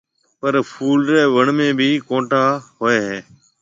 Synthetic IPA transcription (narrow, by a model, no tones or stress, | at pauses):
pəɾfʰuːlɾɛːʋəɳmẽːbʱiːkõːʈaːɦoːeːɦẽː